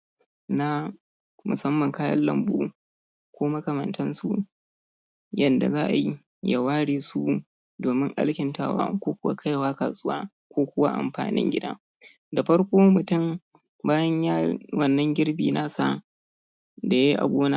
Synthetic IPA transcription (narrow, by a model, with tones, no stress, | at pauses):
na˦ | mʊ˨sɐ˦mːɐ˨ŋkaː˦jɐ̰˦lɐ̰˨mbṵː˦ | kʷoː˦mɐ˦kɐ˨mɐ˨ntʰɐ˦nsṵ˦ | jɐ˨nda̰˨zaː˦ʔa˨ji˦ | ja˨waː˦ɽeː˨su˦ | doː˨mɪ˦ŋʔa̰˦lkʲɪ˨nta̰˦wa̰ː˦kʷoː˦kʷʊ˦wa̰˦kʰa˦jwaː˦kaː˨sʼʊ˦wa̰ː˦ | kʷoː˦kʷʊ˦wa˦ʔa̰˨mɸa̰ː˨nɪ̰˦ŋɡʲɪ˦da̰˦ | da˨ɸɐ˦ɽkʷoː˦mʊ˨tʊ˦˨m | baː˦jɐ˦ɲjaː˦wɐ˨nːɐ˦ŋɡʲɪ˦ɽbḭː˨na˦sa˦ | da˨ja˦ʔa̰˨ɡʷoː˦naː˦